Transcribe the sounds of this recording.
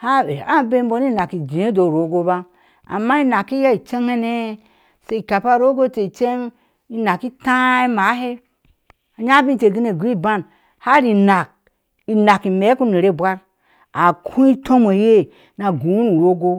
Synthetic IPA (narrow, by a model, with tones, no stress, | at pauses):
ha˦e˨a˦be˦mbo˦ni˦˨na˨ki˨d͡ʒi˨e˦do˨ɾo˨˦ɡo˦ba˦ | a̰˨mːa˦i˦na˨ki˦ja˦i˨t͡ʃe˦ŋe˦ne˦ | se˦i˨ka˨pa˦˨ɾo˦ɡo˦te˨i˨t͡ʃe˦ŋ | i˦na˨ki˦ta˦i˦ma˨˦ɦe˦ | a˨ɲa˦bĩ˦te˨ɡi˦ne˨ɡʷi˦ba˦n | ha˦ɾi˨na˨k̚ | i˨na˨ki˨me˨˦ku˦ne˨ɾe˦˨bʷa˦ɾ | a˨kʰũ˦i˦tʰo˦mo˨je˦ | na˨ɡu˨˦nu˨ɾo˦ɡo˦